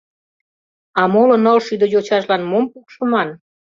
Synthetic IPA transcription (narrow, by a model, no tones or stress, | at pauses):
ɑmolonolʃyd̪əjot͡ɕɑʃlɑnmompukʃəmɑn